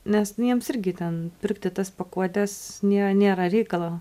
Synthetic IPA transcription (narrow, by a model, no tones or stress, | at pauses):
nʲɛsjiɛmsɪɾʲɡʲɪt̪ʲɛnpʲɪrkt̪ʲɪt̪ɐspɐkuɔt̪ʲɛsnʲeːɾɐnʲeːɾɐɾʲɛɪkɐlˠoː